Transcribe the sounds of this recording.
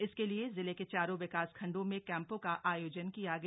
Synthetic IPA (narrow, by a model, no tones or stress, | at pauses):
ɪskeliezɪleket͡ʃaːɾõʋɪkaːskʰɐ̃ɳɖõmẽkɛ̃ːmpõkaʔaːjoːd͡ʒənkijaɡ